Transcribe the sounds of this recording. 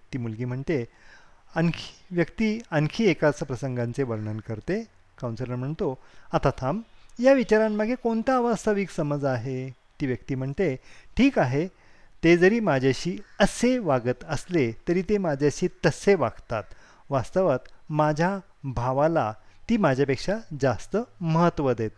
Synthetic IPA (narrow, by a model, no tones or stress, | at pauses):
t̪iːmulɡiːm̤əɳt̪e | ənkʋjəkt̪iːəŋkʰiːekat͡spɾəsəŋɡãnt͡seʋəɾɳənkəɾt̪e | kaw̃nsəɾənm̤əɳt̪oat̪at̪ʰamjaʋit͡ɕaɾãmːaɡʱekoɳt̪aːʋəst̪ʰəʋiksəməd͡zaɦe | t̪iːʋjək̚t̪iːm̤əɳt̪eʈʰiːkaɦe | t̪ed͡zəɾiːmad͡ʑʱjaɕiːəseʋaɡət̪əslet̪əɾiːt̪emad͡ʑʱjaɕiːt̪əseʋaɡt̪at̪ | ʋast̪əʋət̪mad͡ʑʱja | bʱaʋalat̪iːmad͡ʑʱjapekʂad͡zast̪əməɦət̪ːʋəd̪et̪̚